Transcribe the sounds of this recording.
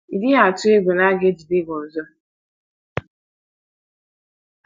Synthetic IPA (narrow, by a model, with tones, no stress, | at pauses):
i˨dɪ˦a˨tʊ˦e˦ɡʷe˨na˦ɡe˦d͡ʒi˨de˦ɡɔ˨n̩˨zɔ˦